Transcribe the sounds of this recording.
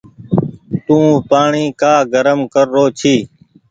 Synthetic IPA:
t̪ũːpaːɳiːkaːɡəɾəmkəɾːoːt͡ʃʰiː

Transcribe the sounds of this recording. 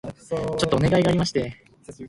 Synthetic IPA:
t͡ɕo̞t̪ːoone̞ɡaiɡaːɾʲimaɕi̥t̪e̞

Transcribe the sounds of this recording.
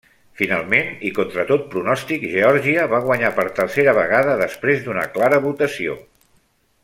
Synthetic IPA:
finalˠmenikont̪ɾət̪ot̪̚pɾunɔst̪ikʒeɔɾʒiəβaɣ̞wəɲapəɾt̪əɾseɾəβəɣaðəðəspɾezd̪unə̰klaɾəβut̪əsio̰

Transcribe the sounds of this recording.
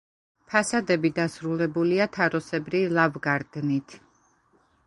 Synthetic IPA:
pʰasad̪ɛbid̪asɾulɛbuliat̪ʰaɾɔsɛbɾilˠavɡaɾd̪nit̪ʰ

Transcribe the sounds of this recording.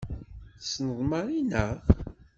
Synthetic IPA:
snəðˤmɑɾinə

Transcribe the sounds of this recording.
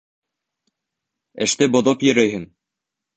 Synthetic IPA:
ɘ̆ʃt̪ɘbŏðopjɵ̆ɾæjɦɘn

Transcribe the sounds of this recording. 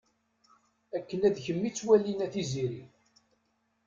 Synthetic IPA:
ækːənæðçəmːit͡sːwælːinæθiziɾi

